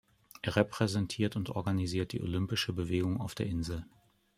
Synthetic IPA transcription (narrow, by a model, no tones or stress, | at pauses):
ʔeːɐʁɛpʁ̥ɛzɛntʰiːɐtʊntʔɔ̰ɐɡaniziːɐt̚d̥ḭːʔo̰lʏmpɪʃəbəveːɡʊŋaʊfd̥eːɐʔɪnzl̩